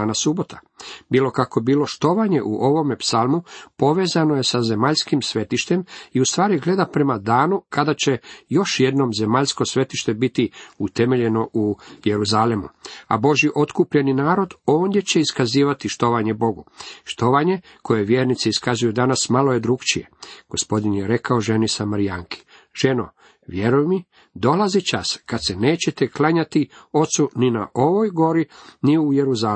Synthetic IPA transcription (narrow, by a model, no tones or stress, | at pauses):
anasubo̞t̪ʰa | biːlo̞kakobiːlo̞ʃt̪o̞ʋaɲe̞ʔuʔo̞ʋo̞mepsalˠmupo̞ʋe̞ːzanoje̞saze̞maʎskimsʋe̞t̪iʃt̪e̞miust̪ʋaːɾiɡle̞d̪apɾe̞mad̪aːnukad̪at͡ɕe̞jo̞ʃje̞d̪no̞mze̞maʎsko̞sʋe̞t̪iʃt̪e̞bit̪iut̪e̞me̞ʎe̞no̞ʔuje̞ɾuzalemṵa̰bo̞ʒjiʔo̞t̪kupʎe̞ninaːɾo̞d̪o̞ːnd̪je̞t͡ɕe̞iskaziːʋat̪iʃt̪o̞ʋaɲe̞bo̞ɡuʃt̪o̞ʋaɲe̞ | kʰo̞jeʋjeːɾnit̪seiskazujud̪anasmalo̞je̞d̪ɾukt͡ʃije̞̰ɡ̥o̞spo̞d̪injeɾe̞kao̞ʒe̞nisamaɾijaŋki̥ | ʒ̥e̞no̰ | ʋje̞ɾujmi | d̪o̞lazit͡ʃaskad̪se̞ne̞ːt͡ɕe̞t̪e̞klaɲat̪io̞t̪sunina̰ʔo̞ʋo̞jɡo̞ɾiniuje̞ɾuzaː